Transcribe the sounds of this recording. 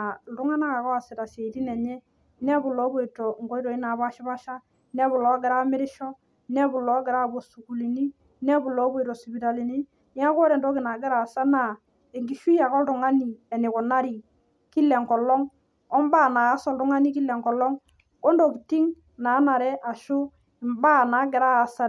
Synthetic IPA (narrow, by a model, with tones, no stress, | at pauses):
a˨ldʊ˦ŋa˦na˦ka˨kɔ˦a˨sɪ˨ta˨se˨i˨ti˦nɛ˨ɲɛ˦ | nɛ˦bʊ˨lɔ˨˦bɔ˦i˨tɔ˨ŋɡɔ˦i˦tɔ˨ɪ˦na˨ba˦ʃi˦ba˦ʃa˦ | nɛ˦bʊ˨lɔ˨˦ɡɪ˨ɾa˦mɪ˦ɾɪ˦ʃɔ˦ | nɛ˦bʊ˨lɔ˨˦ɡɪ˨ɾa˦bɔ˨su˨ku˨li˨ni˦ | nɛ˦bʊ˨lɔ˨˦bɔ˦i˨tɔ˨si˨bi˨ta˨li˨ni˦ | nɪ˦a˦kɔ˦ɾɛ˨ndɔ˦kɪ˨na˨ɡɪ˦ɾa˨sa˦na˨ | e˨ŋɡi˨ʃu˦ja˨kɔ˦ldɔ˨ŋa˦ni˨ɛ˨nɪ˨kɔ˨na˦ɾi˨ | ki˦lɛ˨ŋkɔ˨lɔ˦ŋ | ɔ˦mba˦˨naː˨˦sɔ˦˨ltu˦ŋa˦ni˦ki˦lɛ˨ŋkɔ˨lɔ˦ŋ | kɔ˦ndɔ˨ki˨ti˦ŋ | na˨˦na˨ɾɛ˦ʔa˨ʃʊ˦ | ɪ˨mba˦na˨˦ɡɪ˨ɾa˦a˨sa˨